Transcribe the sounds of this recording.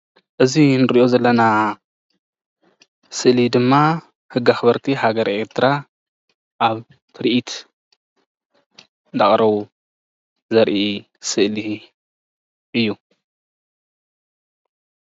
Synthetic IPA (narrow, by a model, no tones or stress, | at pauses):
ʔɨzinɨɾiʔo̞zɐlːɐna | sɨʔlid̪ɨmːa | hɨɡːaxɨβɐɾt̪ʰihaɡɐɾʔe̞ɾt̪ʰɾa | ʔaβ | t̪ʰɨɾʔit̪ | nd̪aχʼɾɐβu | zɐɾʔi | sɨʔli | ʔɨjːu